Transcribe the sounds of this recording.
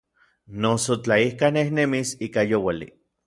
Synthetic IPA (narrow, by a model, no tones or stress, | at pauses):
nosot͡ɬaihkanehnemisiːkajowalḭ